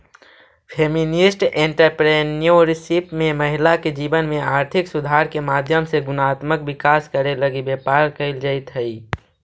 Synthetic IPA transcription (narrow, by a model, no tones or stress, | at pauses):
pʰeːmɪnɪsʈẽɳʈəɾpɾeːnioɾsɪpmẽməɦɪlaked͡ʒiːbənmẽaːɾt̪ʰɪksʊd̪ʱaːɾkemaːd̪ʱjəmseɡʊnaːt̪məkbɪkaːskəɾeləɡibeːpaːɾkəɪld͡ʒəɪt̪ɦəi